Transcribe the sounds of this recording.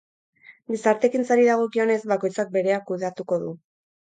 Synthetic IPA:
ɡisaɾt̪e̞kint͡saɾiðaɣ̞o̞kio̞ne̞zbako̞jt͡sak̚be̞ɾe̞akːuð̞eat̪uko̞ðu

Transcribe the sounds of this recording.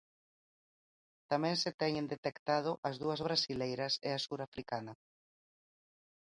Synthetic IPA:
t̪amɛ̃ŋset̪ɛɲẽnd̪et̪ekt̪að̞ʊʔɐzðuɐzβ̞ɾasilejɾɐseasuɾafɾikanɐ

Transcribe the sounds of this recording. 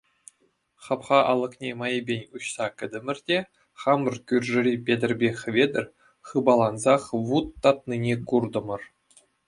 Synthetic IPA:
χɑpχɑʔɑlˠɤ̆χnʲemɑjə̆bʲenʲuɕsɑkʲɘ̆d̪ʲɘ̆mʲɘ̆rʲdʲe | χɑmɤrkʲyrʲʐɘ̆rʲipʲedʲɘ̆rʲbʲeχʲɘ̆vʲed̪ʲɘ̆rʲ | χɯbɑlˠɑnzɑχʋut̪ːɑt̪ninʲekurd̪ɤ̆mɤ̆r

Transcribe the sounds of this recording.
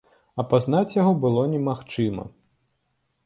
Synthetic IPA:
ɐpaznat͡sʲjaɣɔbɨlˠɔnʲɛmaxt͡ʂɨmɐ̰

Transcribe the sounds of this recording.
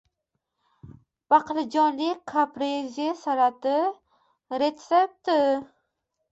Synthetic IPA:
b̥aqlɪd͡ʒɒnlikʰːapɾezesaɾat̪ɪ | ɾet̪sep̚t̪ɪ

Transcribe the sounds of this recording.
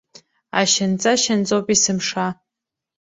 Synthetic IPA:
a̰ʃɪnt͡sʼaʃant͡sʼowpʼisɨmʂa

